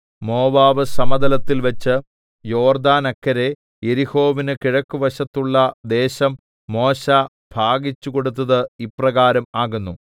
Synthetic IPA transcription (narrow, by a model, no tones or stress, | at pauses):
mo̞ːʋaːʋɨsɐmɐd̪ɐlɐt̪ːilʋɐt͡ɕːɨ | jo̞ːrd̪aːnɐkːɐɾe̞ | jeɾiho̞ːʋinɨkiɻɐkːuʋɐɕɐt̪ːuɭːɐd̪e̞ːɕɐmː | o̞ːɕa | b̥ʱaːɡit͡ɕːuko̞ɽut̪ːɐðɨiprɐɣaːɾɐmaːɣunːu